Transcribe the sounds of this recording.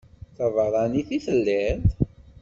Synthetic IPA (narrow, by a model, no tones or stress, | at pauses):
θævəɾˤɑniθiθəlːit̪